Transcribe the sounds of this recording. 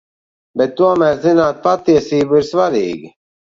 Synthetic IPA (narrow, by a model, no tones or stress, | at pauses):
bɛt̪̚ːuɔmæːɾzinaːt̪̚pat̪ːiɛəsiːbuiɾsʋaɾḭːɡi